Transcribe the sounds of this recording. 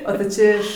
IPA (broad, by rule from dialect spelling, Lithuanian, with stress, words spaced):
oː tɐɪ ˈt͡ʃʲɛ ɪʃ